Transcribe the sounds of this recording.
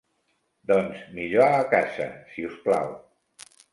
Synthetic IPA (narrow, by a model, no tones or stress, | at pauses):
d̪ɔnzmiʎoaːkasə̰siuspla̰w